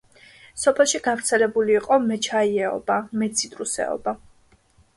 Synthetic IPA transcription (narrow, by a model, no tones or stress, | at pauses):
sɔpʰɛlˠʃiɡavɾt̪sʰɛlɛbuliːqʼɔmɛt͡ʃʰaiɛɔ̰bamɛt̪sʰit̪ʼɾusɛ̰ɔ̰ba